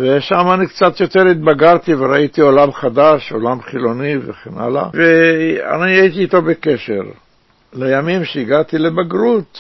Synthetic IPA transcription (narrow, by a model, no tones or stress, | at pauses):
veʃamanikt͡sat̪jo̞t̪eʁit̪̚baɡaʁt̪iveɾait̪iolamχad̪aʃolamχilo̞niveχena̰la̰vea̰niait̪iːt̪o̞bekeʃḛʁ | lejamimʃeiɡat̪ilebaɡʁut̪